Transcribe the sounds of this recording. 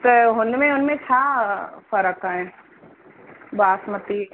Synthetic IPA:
t̪ɦʊnmẽʊnmẽt͡ʃʰaːfəɾəkaɦɛ̃ː | baːsmət̪i

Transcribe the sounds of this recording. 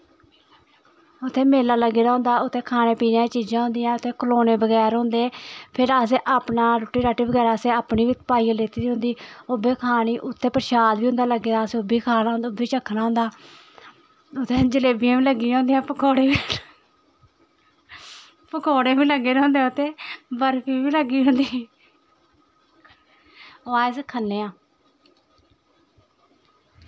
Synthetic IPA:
ʊt̪ʰːẽːmeːlaːləɡeːd̪aːɦʊ̃nd̪aːʊt̪ʰːeːkʰaːneːpiːnãːiːt͡ʃiːd͡ʒãːɦʊ̃nd̪ɪjãːʊt̪ʰːeːkəloːneːbəɡɛːɾɦʊ̃nd̪eːpʰɪɾəs̬eːʔaːpnaːɾʊʈːiːɾaːʈːiːbəɡɛːɾaːseːaːpniːʋit̪paːiːãleːt̪iːɾiɦʊ̃nd̪iːoːbeːkʰaːñiːʔʊt̪ʰːeːpəɾʃaːd̪ʋiːʊ̃nd̪aːləɡeːd̪aːseːʊbiːkʰaːnaːnd̪ʊbeːt͡ʃəkʰːnaːɦʊ̃nd̪aː | ʊt̪ʰːeːd͡ʒəleːbijãːʋiːləɡːiːõːnd̪eãːpəkʰoːɽeːʋi | pəkʰoːɽeːbiːləɡːeːɾ̃õːnd̪ẽːʊt̪eːbəɾpʰiːʋiːləɡːiːɦʊ̃nd̪iː | ʋaːɪskʰənːeːãː

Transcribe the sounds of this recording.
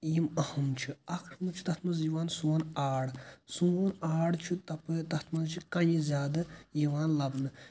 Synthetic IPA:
imɐhɐmt͡ʃʰiɐkʰɾmut͡ʃʰi̥t̪ɐt̪ʰmɐziʋaːnsuːɐnaːɽsuɐnaːɽt͡ʃʰit̪ɐpɨt̪ɐt̪ʰmɐnt͡ʃʰikɐjĩzʲjaːd̪ɐjiʋaːnlɐbnɨ

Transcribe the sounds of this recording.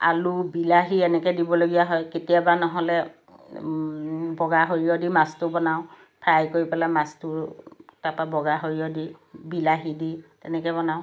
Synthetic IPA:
a̰lubilaɦiɛnɛkɛdibɔloɡijaɦɔjketijabanɔɦɔlɛ | bɔɡaɦoɹiɔdimastʊbɔnaʊ̃ | pʰɹajkoɹipɛlamastʊtapabɔɡaɦoɹiɔdibilaɦiditɛnɛkɛbɔnaʊ̃

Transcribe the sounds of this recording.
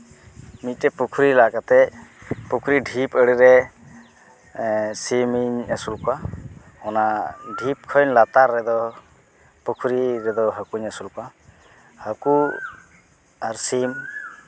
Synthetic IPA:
mit̪̚ˀtɛpukʰuɾilakat̪ɛpukʰuɾiɖʱipəɽiɾɛ | simiɲəsulka | hɔnaɖʱip̚kʰɔjnlat̪aɾːɛd̪ɔ | pukʰuɾiɾɛd̪ɔɦəkuɲasulka | həku | aɾsim

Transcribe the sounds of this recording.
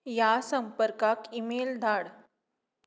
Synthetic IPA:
jasəmpəɾkakimeld̪ʱaɽ

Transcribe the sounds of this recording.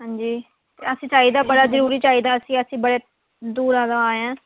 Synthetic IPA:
ɦãːɲd͡ʒiː | t̪ḛːəsĩːt͡ʃaːiːd̪aːbəɽaːzəɾuːɾiːt͡ʃaːiːd̪aːəsĩːəsĩːbəɽeː | d̪uːɾãːd̪ãːaːãː

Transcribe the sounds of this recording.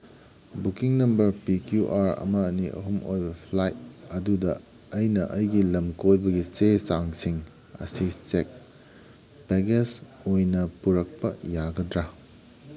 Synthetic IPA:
bukiŋnɐmbɐɾpikjuʔaɾɐ̰mɐːniʔɐ̰ɦumʔojbɐpʰlajt̚ɐdudɐː | jnɐʔɐjɡilɐmkojbɐɡisesaŋsiŋ | ɐ̰sisek̚ | beɡesojnɐpuɾɐk̚pɐjaɡɐdɾa

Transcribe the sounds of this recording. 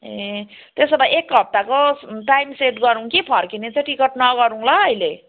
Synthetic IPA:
e | t̪esʌbajek̚ɡʱʌp̚t̪akoʈajmseʈɡʌɾũŋkipʰʌrkinet͡sãj̃ʈikʌʈnʌɡʌɾũlʌːjle

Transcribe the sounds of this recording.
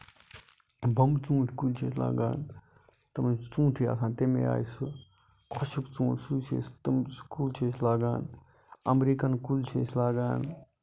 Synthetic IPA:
bɐmt͡sũːʈʰkult͡ʃʰeːsla̰ːɡa̰ːn | t̪ɐmɐt͡sũːʈʰija̰ːsʰãːnt̪emḛa̰ːjsu | kʰɔʃukt͡sũːʈʰsuːt͡ʃʰḛːst̪ɐmskuːlt͡ʃʰeːslaːɡaːn | ɐmɾiːkɐnkult͡ʃʰḛːslaːɡaːn

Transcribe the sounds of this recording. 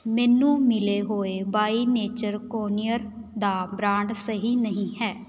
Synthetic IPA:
mɛːnũːmɪleːɦoːeːbaːiːneːt͡ʃəɾkoːnɪjəɾd̪aːbɾãːɳɖsəɦiːnəɦĩːɦɛː

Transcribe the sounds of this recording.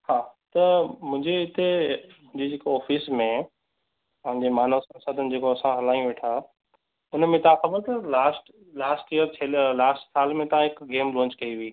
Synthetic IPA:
haːt̪ɐmʊ̃ɦɪ̃ɲd͡ʑeɪt̪emʊ̃d͡ʑid͡ʑeːkoɔːfiːsmẽ | pɐ̃ɦɪ̃ɲd͡ʑemaːnosɐ̃nsəd̪ʱənɪ̆d͡ʑeːkoɐsãɦɐlaːĩũʋeːʈʰaː | ʊnmẽt̪ɐãxɐbəɾt̪ɐlaːsʈ | laːsʈijəɾt͡ɕʰɐllaːsʈsaːlmẽt̪ɐãɦɪkɡeːmlɔ̃ːɲt͡ɕkɐiʋiiː

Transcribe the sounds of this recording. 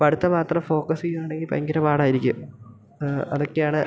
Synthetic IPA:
pɐɽut̪ːɐmaːt̪rɐmfo̞ːkɐsiumaːɳeŋɡilpɐ̰ŋɡiɾɐpaːɽaːjiɾikʲːum | ɐ̰ðokːejaːɳɨ

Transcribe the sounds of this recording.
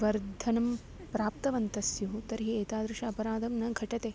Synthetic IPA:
ʋɐɾd̪ʱɐnɐm | pɾaːp̚t̪ɐʋɐnt̪ɐsjuɦut̪ɐɾɦieːt̪aːd̪ɾɪʃɐɐpɐɾaːd̪ɐmnɐɡʱɐʈɐt̪e

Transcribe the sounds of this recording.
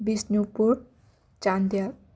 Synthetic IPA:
bisnjupuɾ | t͡ʃand̪ja

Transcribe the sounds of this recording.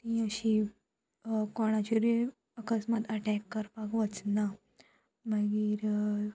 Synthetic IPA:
t̪ĩəɕi | kɔɽ̃at͡ɕuɾi | əkəsmat̪əʈɛkːəɾpakʋət͡sna | məɡiːɾ

